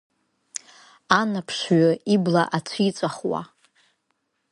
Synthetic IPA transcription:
anapʰʂɥaiblaʔat͡sʷʰit͡sʷʼaχwa̰

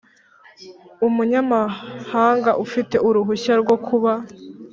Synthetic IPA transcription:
umuɲamahaːŋɡaʔufite̞ʔuɾuɦuɕaɾɡo̞kʰuβa

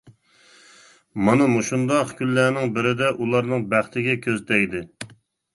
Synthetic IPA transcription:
mɑnɨmuʃund̪ɑqkʲʰynːæːnɪŋbɪɾɪd̪ɛʔulˠɑɾnɨŋbæχt̪ʰɪɡʲɛkʲʰøzd̪ɛjd̪ɪ

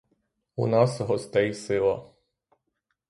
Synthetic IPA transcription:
unɑsɔɦɔst̪ɛjsɪlˠɐ̰

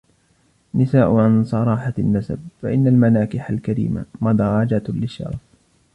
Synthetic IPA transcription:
nɪsaːʔʊʕansˤɑɾˤɑːħanːasa̰b̚faʔɪnːalmanaːkɪħalkaɾḭːma̰mɑd̪ɾˤɑd͡ʒat̪lɪʃːɑ̰ɾˤɑf

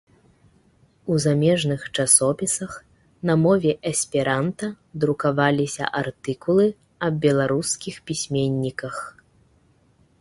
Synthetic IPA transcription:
uzamʲɛʐnɨxt͡ʂasɔpʲisɐx | nɐmɔvʲɛʔɐsʲpʲiɾant̪ɐ | d̪ɾukavalʲisʲɐ̰ʔart̪ɨkulˠɨ | ɐb̚bʲɛlˠaɾuskʲixpʲisʲmʲenʲːikɐx

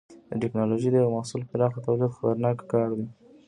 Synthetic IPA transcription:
d̪əʈɪknɑloʒid̪əjaɣmasulpəɾɑxd̪ət̪awlid̪xapaɾnɑkkɑɾd̪i

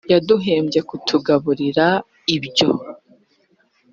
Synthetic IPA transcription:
jaduɦe̞ːmɟe̞kutʰuɡaβuɾiɾa | ibɟo

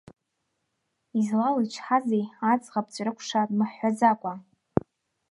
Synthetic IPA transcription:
izlalat͡ʃʰħazejat͡sʼʁap̚ʼt͡ʃʷʼrɨkʷʰʂatmɨħːazakʷʼa

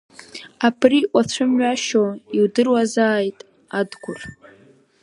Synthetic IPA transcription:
apʰriʔʷʼat͡ɕʷʰʊmɥaʃoiwdɨrwazaːjtʼ | adɡʷʰʊr

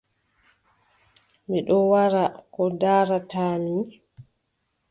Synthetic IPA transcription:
miɗɔwaɾakɔdaːɾataːni

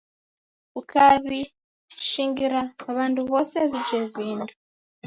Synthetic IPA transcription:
ukaβi | ʃiːŋɡiɾaːβaːnduβoːseβiɟiɾβwiːndu

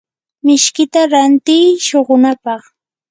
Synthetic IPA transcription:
mɪʃkɪt̪aɾant̪ɪjʃoɢʊnapɑχ

